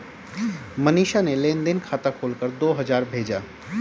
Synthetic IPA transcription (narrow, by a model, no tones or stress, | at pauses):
məniːʃanelẽːnd̪ənkʰaːt̪akʰoːlkəɾd̪oːɦɐzaːɾbʱeːd͡ʒaː